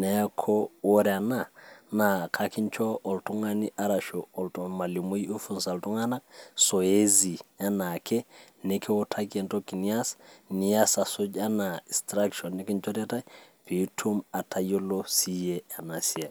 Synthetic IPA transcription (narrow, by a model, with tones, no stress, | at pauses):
na˨ja˦kʰɔwo˦ɾɛa˨nana˨kʰaki˦ɲt͡ʃɔ˦ʔɔ˨ltu˦ŋaniʔa˦ɾaʃoɔ˨ltuma˨li˨mu˦ju˦funsa˨ltu˦ŋana˦k̚so˨e˦zi˨a˦na˨kʰe˦ | nekʰe˦wɔ˦tʰakento˦kːi˨ni˦a˦sni˨jasa˨so˦d͡ʒa˦na˨i˨stɾakʃɔnːi˦ki˦nt͡ʃɔ˦tɛ˦ta˦jpi˨tʰu˦ma˨tʰa˨jo˦losi˦jea˨na˨si˦a˨